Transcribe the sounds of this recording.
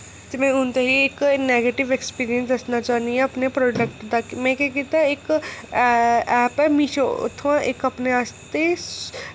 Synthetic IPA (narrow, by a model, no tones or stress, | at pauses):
t̪emɛ̃ʊnt̪eɦieːkneːɡeːʈɪʋekspiːɾijə̃nsd̪ɐsnat͡ʃaːniẽɐpnepɾɔːɖəkʈd̪akimɛ̃ːkɛket̪aeːk | ɛːpɛmiʃo̰t̪ʰãʔeːkɐpneaːst̪e